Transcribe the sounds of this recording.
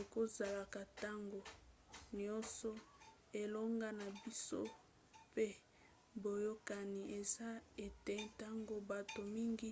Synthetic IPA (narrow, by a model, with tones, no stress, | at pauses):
o˨ko˦za˨la˨ka˨ta˦ŋɡo˨nɔ˦nsɔ˦ | e˨lo˦ŋɡa˦na˨bi˦so̰˦ | pe˦ | bo˨jo˦ka˨ni˨ʔe˨za˦e˨te˨ta˦ŋɡo˦ba˨to˨mi˦ŋɡi˦